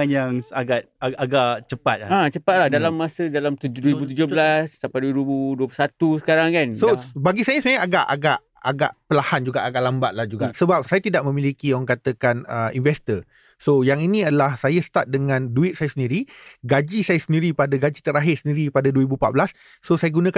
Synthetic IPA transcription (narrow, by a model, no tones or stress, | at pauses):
njaŋaɡat̪̚aaɡaʔt͡ʃəpat̪̚at͡ʃəpat̪̚lahdalamːasədalamt̪udəɾibut̪ud͡ʒʊblasːapaduəɾibuduəplusat̪usə̥kaɾaŋkansobaɡisajasajaʔaɡaʔa̰ɡaʔ | a̰ɡa̰ʔpəlahand͡ʒuɡaʔaɡaʔlambat̪̚lahd͡ʒuɡa̰ʔsəbap̚sajat̪idaʔmə̃milikiɔaŋkat̪əkanəinvɛst̪ə | sojaŋinĩadəlahsajasə̥t̪at̪̚dəŋãnduɪt̪̚sajasəndiɾiɡad͡ʒisajasəndiɾipadaɡad͡ʒit̪əɾaɦɪrsəndiɾipadaduəɾibupat̪̚blasː | osajaɡunə̃ka